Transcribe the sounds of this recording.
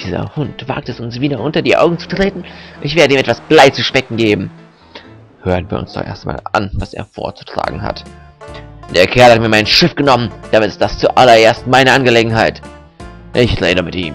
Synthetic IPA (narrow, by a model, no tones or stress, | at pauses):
d̥iːzɐ̰hʊntv̥a̰ːk̚tɛsʊnsv̥iːdɐʔʊntɐdiːʔa̰ʊɡŋ̩t͡su̥tʁ̥eːtn̩ʔɪçv̥eːɐɾəiːmɛtv̥asb̥laɪt͡suʃpɛkŋ̩ɡeːbm̩ | høːʁənviːɐʊ̰nsd̥ɔ̰χʔḛɐstama̰ːlʔa̰nvasḛːɐfo̰ːɐt͡su̥tʁ̥a̰ːɡŋ̩ha̰t | d̥eːɐkʰɛɐlhatmiːɐmaɪnʃɪfɡ̥ənɔmənd̥amɪtɪ̥std̥ast͡suʔa̰lɐʔeːɐstmaɪnəʔanɡəleːɡŋ̩ɦaɪt | ʔɪçʁeːdəmɪtʔḭːm